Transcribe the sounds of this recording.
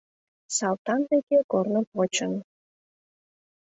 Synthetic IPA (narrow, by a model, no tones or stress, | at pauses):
sɑlt̪ɑnd̪ekekornəpot͡ɕən